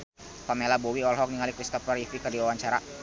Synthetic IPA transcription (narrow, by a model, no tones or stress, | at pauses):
pamelabɔwiɔlɦɔk̚niŋalikɾist̪ɔfərifikərdiwawaɲt͡ʃaɾa